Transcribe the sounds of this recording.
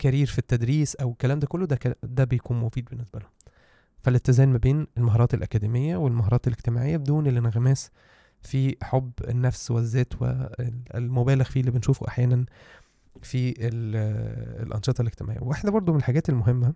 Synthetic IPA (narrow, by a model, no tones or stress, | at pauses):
kæɾiːɾfit̪ːæd̪ɾiːsʔæwekːælæːmd̪ækolːod̪ækæd̪æbejkuːnmofiːd̪̚benːesbælo | fælet̪ːezæːnmæbeːnelmaɦɑːɾˤɑːt̪elʔækæd̪imejːæwelmaɦɑɾˤɑːt̪eleɡt̪emaːʕejːæbed̪uːnelːenæɣæmæːs | fiħobːenːæfswezːæːt̪wḛlmobæːleɣfiːlːiːbenʃuːfoʔa̰ħjæːnæn | fiel̰ | lʔɑ̰nʃet̪ˤɑleɡt̪ema̰ʕḛjæwewaħd̪æbɑɾˤd̪ˤomenelħaɡæːt̪elmoɦemːæ